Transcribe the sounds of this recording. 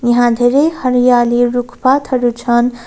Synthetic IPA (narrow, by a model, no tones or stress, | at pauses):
jʌɦãd̪ʱeɾehəɾijaliɾukʰpat̪ʰʌɾut͡ʃʰʌn